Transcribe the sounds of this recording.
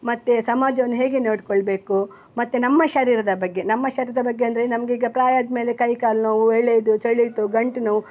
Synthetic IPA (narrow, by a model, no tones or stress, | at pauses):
mɐt̪ːesɐmaːd͡ʒɐʋɐnːuɦe̞ːɡeneːɽkoɭbe̞ːku | mɐt̪ːenɐmːɐʃɐɾiːɾɐd̪ɐbɐɡːe̞nɐmːɐʃɐɾiːɾɐd̪ɐbɐɡːeɐnd̪ɾenɐmɐɡeiːɡɐpɾaːjaːd̪meːlekɐjkaːlnɐʋueɭːed̪usɐɭːit̪uɡɐɳʈnɐʋu